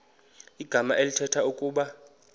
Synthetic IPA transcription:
iɡ̥ʱamaʔelitʰɛtʰaukʼuːɓa

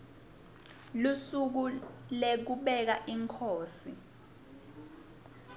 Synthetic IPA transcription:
lusuk̬ulek̬uɓɛk̬aʔiŋkʰoːsi

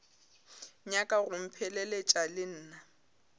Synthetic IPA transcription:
ɲakʼaɣʊm̩pʰɛlɛlet͡ʃʼalɪn̩ːna

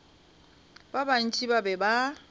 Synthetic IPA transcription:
baban̩t͡ʃʼibabɛba

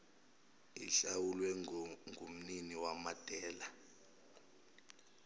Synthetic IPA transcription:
iɬawulwɛŋʱum̩niniwamatʼɛːla

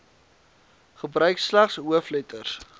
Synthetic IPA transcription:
χəbrœɥkslæχsɦuəflətərs

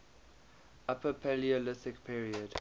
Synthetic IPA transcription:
apʰəpʰɛliəlɪsɪkpʰiːɹiəd̥

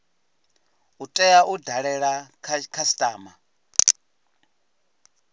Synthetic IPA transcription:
utʼɛaudʱaɺɛɺakʰkʰastʼaːma

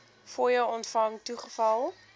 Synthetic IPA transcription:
fuːjəwɔntfɐŋtuχəfɐlˠ

